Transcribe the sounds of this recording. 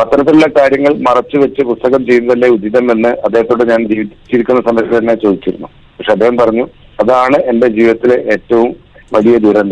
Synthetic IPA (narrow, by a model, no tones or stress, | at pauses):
ɐt̪ːɐɾɐt̪ːiluɭːɐkaːɾjɐŋːɐɭmɐrɐt͡ɕːɨʋet͡ɕːɨpust̪ɐɣɐmt͡ɕe̞junːɐðɐlːeud̪ːiðɐme̞nːɨɐd̪ːeɦɐt̪ːoːɽeɲaːnd͡ʑiːʋit͡ɕːiɾikʲːunːɐsɐmɐst̪ɐnːe̞t͡ɕoːd̪it͡ɕːiɾunːṵ | pɐkʂeɐd̪ːeɦɐmpɐrɐɲːu | ɐðaːɳɨʔe̞nde̞d͡ʑiːʋiðɐt̪ːileʔeːtːɐʋumʋɐɭijɐd̪iːɾɐnd̪